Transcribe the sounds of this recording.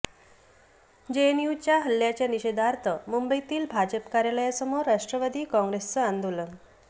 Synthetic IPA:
d͡ʑenjut͡ɕjaɦəljat͡ɕjaniɕed̪aɾt̪ʰəmumbəit̪iːlbʱad͡ʑəpkaɾjaləjasəmoɾaʂʈɾəʋad̪ʱiːkɔ̃ŋɡɾest͡səand̪ʱulə

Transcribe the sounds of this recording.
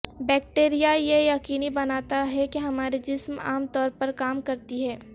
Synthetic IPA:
bɛːk̚ʈeːɾijajejɐkiːnibɐnaːt̪aɦɛkiɦɐmaːɾed͡ʒɪsma̰ːmt̪ɔːɾpɐɾkaːmkɐɾt̪iɦɛː

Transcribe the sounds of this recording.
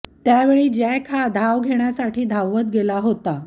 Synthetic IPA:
t̪jaʋeɭiːd͡ʑajkʰad̪ʱaʋɡʱeɳjasaʈʰiːd̪ʱawːət̪ɡelaɦot̪a

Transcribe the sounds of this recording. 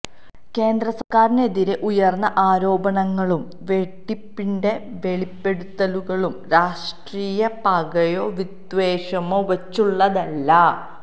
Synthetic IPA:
ke̞ːnd̪rɐsɐrkaːɾine̞ðiɾe̞ʔujɐrnːɐʔaːɾo̞ːbɐɳɐŋːɐɭum | ʋe̞ʈːipːinde̞ʋe̞ɭipːe̞ɽut̪ːɐluɣɐɭumɾaːʂʈriːjɐpɐɡɐjoːʋid̪ʋeːɕɐmoːʋɐt͡ɕːuɭːɐðɐlːɐ

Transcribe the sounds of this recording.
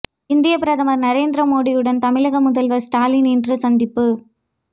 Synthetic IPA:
ɪnd̪ɪjɐpɪɾɐðɐmɐɾnɐɾeːnd̪ɾɐmoːɽijɯɽɐnt̪ɐmɪlɐɣɐmʊðɐlʋɐsʈaːlinɛndrɯsɐnd̪ɪpːɯ

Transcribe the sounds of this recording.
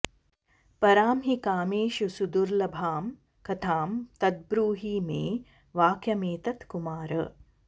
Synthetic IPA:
pɐɾaːmɦikaːmeːʃusud̪uɾlɐbʱaːm | kɐt̪ʰaːmt̪ɐd̪̚bɾuːɦiːmeː | ʋaːkjɐmeːt̪ɐt̪kumaːɾɐ̰

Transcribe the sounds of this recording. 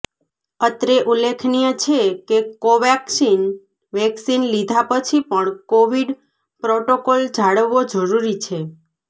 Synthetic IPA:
ət̪ɾeʔulːekʰnijət͡ʃʰekekoʋɛksin | ʋɛksinlid̪ʱapət͡ʃʰipəɳkoʋiɖ | pɾoʈokold͡ʒʱaɽəʋːod͡ʒəɾuɾit͡ʃʰe

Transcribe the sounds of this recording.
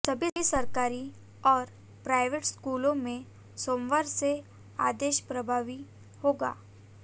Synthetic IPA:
sɐbʱiisɐɾkaːɾi | ɔːɾ | pɾaːɪʋeʈskuːlõmẽ | soːmʋaːɾse | a̰ːd̪eːʃpɾɐbʱaːʋi | hoːɡa̰ː

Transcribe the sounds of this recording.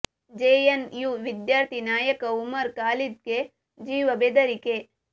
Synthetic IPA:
d͡ʒeːjɐnjuʋid̪jaːɾt̪ʰinaːjɐkɐumɐɾkaːlid̪̚ɡe | d͡ʒiːʋɐbeːd̪ɐɾike

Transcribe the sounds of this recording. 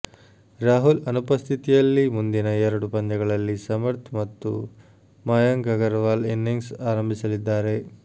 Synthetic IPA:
ɾaːɦulɐnupɐst̪ʰit̪ijɐlːimund̪inɐɛɾɐɽupɐnd͡ʒɐɡɐɭɐlːisɐmɐɾt̪ʰmɐt̪ːṵ | mɐjɐŋɡɐɡɐɾʋaːlenːiŋsaːɾɐmbʱisɐlid̪ːaːɾe̞

